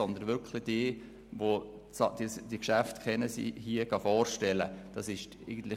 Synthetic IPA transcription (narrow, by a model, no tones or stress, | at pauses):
ɔnd̪ənʋʏkʰlɪd̥iː | ʋo | t͡sɑ̰d̥̪isd̥ikʃæftkʰɛnəsḭhiəɡ̥ɑfɔːrʃtɛləd̥ɑsɪʃ | eɡən̩t̪lɪ